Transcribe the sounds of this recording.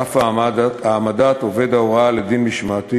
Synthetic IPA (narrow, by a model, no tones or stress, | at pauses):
afamadataːmad̪at̪o̞ve̞d̪aoʁaled̪inmiʃmat̪i